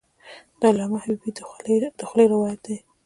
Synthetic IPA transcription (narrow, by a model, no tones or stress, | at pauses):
d̪̥alamahabibid̪d̪əxlejɾɪwɑjat̪̚d̪e